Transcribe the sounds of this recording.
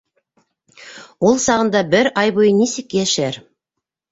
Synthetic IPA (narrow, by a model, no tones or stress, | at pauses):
wolˠsɑʁənd̪ɑbɪɾʔɑjbojənesekʲːeɪʃæɾ